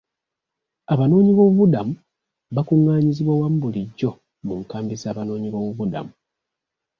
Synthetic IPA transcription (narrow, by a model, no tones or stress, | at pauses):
aβano̞ːɲiβo̞ːβuβudamu | βakuŋːaːɲiziβwawam̩buliɟːo̞ | muŋkaːmbizaːβano̞ːɲiβoβuβuda̰mu